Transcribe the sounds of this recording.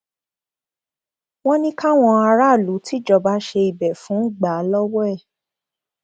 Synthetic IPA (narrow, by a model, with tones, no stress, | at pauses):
w̃ɔ̃˦nĩ˦ka˦w̃ɔ̃˧a˧ɾa˦˨lu˨˦ti˦d͡ʒɔ˦˨ba˨˦ʃe˧i˨bɛ˨fũ˨˦ɡ͡ba˨˦lɔ˦wɛ˦˨